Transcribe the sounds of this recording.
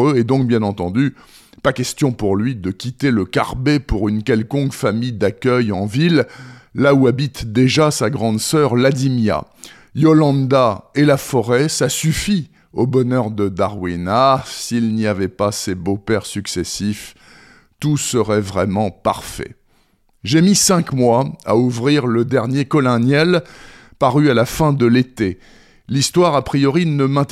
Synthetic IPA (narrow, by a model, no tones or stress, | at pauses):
øɛd̪ɔ̃k̚bjɛ̃nɑ̃t̪ɑ̃d̪y | pakʲɛst̪jɔ̃puʁlɥid̪əkʲit̪eləka̰ʁbepuʁynkʲɛlkɔ̃kfamijd̪akʲœjɑ̃vilːauabit̪d̪eʒasaɡʁɑ̃d̪sœʁlad̪imja̰ | jɔlɑ̃d̪aelafɔʁɛsasyfi | obɔnœʁd̪əd̪aʁwinasilniavɛpasebopɛʁsyksɛsif | t̪usəʁɛvʁɛmɑ̃paʁfɛ̰ | ʒemisɛ̃kmwaa̰uvʁiʁləd̪ɛʁnjekɔlɛ̃njɛl | paʁyalafɛ̃d̪əlet̪e | list̪waʁapχijɔʁinəmɛ̃t̪